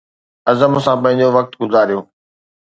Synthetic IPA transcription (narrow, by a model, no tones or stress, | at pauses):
ɐzəmʊsãːpɐ̃ɦɪ̃ɲ̆d͡ʑoʋɐk̚t̪ɡʊzaːɾijoː